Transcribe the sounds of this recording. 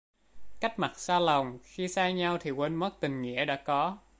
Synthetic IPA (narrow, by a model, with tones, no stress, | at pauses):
ka˦˥k̚ma˨˩t̚saː˧la˨˩wŋ͡mxi˧saː˧jɲa˧wt̪ʰi˨˩wə˧nmə˦˥k̚t̪ï˨˩ŋ̟ŋḭ˧˥əɗa̰ː˧˥kɔ˨˦